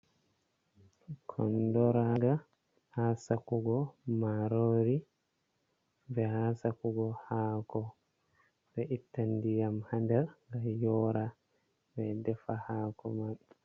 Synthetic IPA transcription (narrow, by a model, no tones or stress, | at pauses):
kʰɔ̰ndɔɾaɡa | hasakuɡɔmaɾoːɾi | bɛhasakuɡɔhaːkɔ | bɛʔitːandijamhandɛɾŋɡajɔːɾa | vɛdɛfahaːkɔ̰man